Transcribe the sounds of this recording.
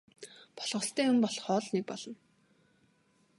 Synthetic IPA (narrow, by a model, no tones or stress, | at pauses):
pɔ̥ɮʁɞ̆ɬt̪æːʊmpɔɮχɔːɮnek̚pɔɮɞ̆n